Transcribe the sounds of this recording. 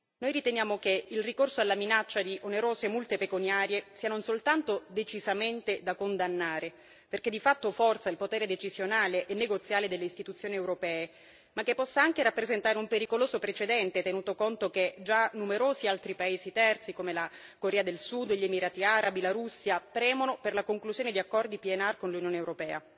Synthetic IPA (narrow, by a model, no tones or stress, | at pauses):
nojrit̪enjaːmokeilrikorsoalːaminat͡ʃːad̪iʔoneɾoːzemult̪epekunjaːɾjesiːanonsolt̪ant̪od̪et͡ʃizament̪ed̪akond̪anːaːɾe | perk̟ed̪ifat̪ːofɔrt̪sailpot̪ɛːɾed̪et͡ʃizjonaːleʔɛnːeɡot̪sjaːled̪elːeist̪it̪ut̪sːjoːniɛwɾopɛːe | makːepːɔsːaaŋkeɾapːɾezent̪aːɾeumpeɾikoloːzopɾet͡ʃed̪ɛnt̪et̪enuːt̪okont̪oked͡ʒanːumeɾoːzialt̪ɾipaeːzit̪ɛrt̪sikomelakoɾɛːad̪elsud̪ʎemiɾaːt̪iaɾʔabilaɾusːjapɾɛːmonoperlakoŋkluzjoːned̪iakːɔrd̪ipiɛnarkonlunjoːnewɾopɛːa̰